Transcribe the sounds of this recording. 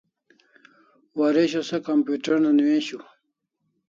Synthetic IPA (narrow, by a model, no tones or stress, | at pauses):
waɾeɕosɐkampjuʈɐɾnaniwẽːɕu